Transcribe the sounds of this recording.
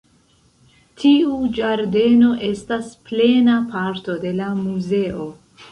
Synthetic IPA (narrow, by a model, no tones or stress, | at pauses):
tʰiud͡ʒaɾde̞no̞ʔe̞stasple̞napaɾto̞de̞lamuze̞ʔo̞